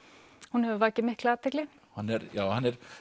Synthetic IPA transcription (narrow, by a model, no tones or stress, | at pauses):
hunhɛvʏvaːcɪmɪhklaːt̪ʰɪklɪ | hanːɛɾjaːwhanːɛɾ̥